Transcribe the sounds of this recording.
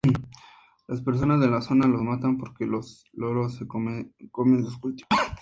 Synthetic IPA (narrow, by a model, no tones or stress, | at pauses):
laspe̞ɾs̬o̞nazðe̞laso̞nalo̞zmat̪ampo̞ɾkelos | loɾosekomeko̞mendoskult̪iβa